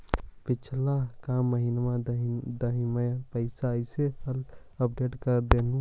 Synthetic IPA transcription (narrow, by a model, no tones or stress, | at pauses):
pɪt͡ʃʰlakamːəɦinmad̪əɦiməjpəɪsaəɪsehəl | əpɖeʈkəɾd̪enũ